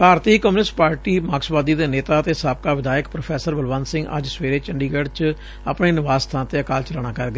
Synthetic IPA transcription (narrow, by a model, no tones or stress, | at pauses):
bʱaːɾt̪iːkɔmnɪsʈpaːɾʈiːmaːksbaːd̪iːd̪eːneːt̪aːt̪eːsaːb̚kaːʋɪd̪aːjəkpɾoːpʰɛːsəɾbəlʋãːnsɪ̃ŋɡʔə̰d͡ʒsʋeːɾeːt͡ʃəɳɖiːɡəɽt͡ʃ | ə̰pɽeːnɪʋaːst̪ʰãːnt̪eːəkaːlt͡ʃəlaːɳ̃naːkəɾɡəeː